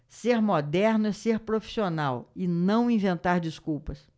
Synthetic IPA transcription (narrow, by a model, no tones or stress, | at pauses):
seɾmod̪ɛɾnʊɛseɾpɾofi̥sionawɪnɐ̃w̃ĩvẽnt̪aɾd͡ʒiskuwpɐs